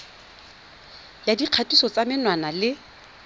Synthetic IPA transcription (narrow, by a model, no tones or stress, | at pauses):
jadiq͡χʰatʼisɔt͡samɪnwanalɪ